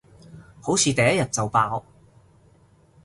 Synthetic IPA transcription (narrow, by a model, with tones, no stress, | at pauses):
ho˨˥wt͡sʰiː˨t̪ɐ˨jɐ˥jɐ˨t̚t͡sɐ˨wpaː˧w